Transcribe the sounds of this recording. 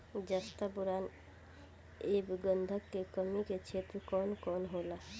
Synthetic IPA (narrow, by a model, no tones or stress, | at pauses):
d͡ʒast̪apuɾan | ebɡə̃nd̪ʱəkːekəmiket͡ʃʰet̪ɾekɔnkɔnɦola